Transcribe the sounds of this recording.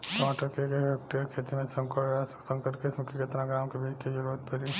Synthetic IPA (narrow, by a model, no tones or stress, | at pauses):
tmaʈəɾkekeek̚ʈeɾkʰet̪imẽsə̃ŋkəɾsə̃ŋkəɾkesmukʰeket̪ɾãɡɾamkebʱit͡ʃked͡ʒəɾat̪pəɾi